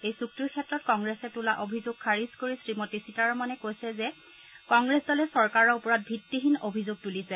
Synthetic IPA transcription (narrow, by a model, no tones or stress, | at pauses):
ejsuk̚tiɹkʰɛtːɹɔtkɔŋɡɹɛsɛtulaʔobʱizoɡ̚kʰaɹizkoɹisɹimotisitaɹɔmanɛkojsɛzɛ | kɔŋɡɹɛsdɔlɛsɔɹkaɹɔɹupɔɹat̚bʱitːiɦinobʱizoɡ̚tulisɛ